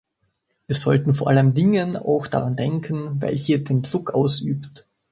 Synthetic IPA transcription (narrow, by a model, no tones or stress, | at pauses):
viːɐzɔltn̩foːɐʔaləmdɪŋəna̰ʊxd̥a̰ʁandɛŋkʰən̩vɛ̰lçiːɐdeːndʁʊkʔa̰ʊsʔyːpt